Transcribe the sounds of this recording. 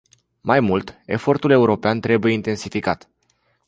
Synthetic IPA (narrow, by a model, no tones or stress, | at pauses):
majmult̪e̞̰fo̞rt̪ule̞uɾo̞peant̪ɾe̞buje̞int̪e̞nsifikat̪